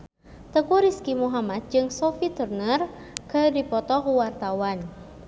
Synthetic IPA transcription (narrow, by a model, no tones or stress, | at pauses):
t̪əkuɾiskimuɦamat̪̚d͡ʒɨŋsɔfit̪urnər | kədipɔt̪ɔkwart̪awan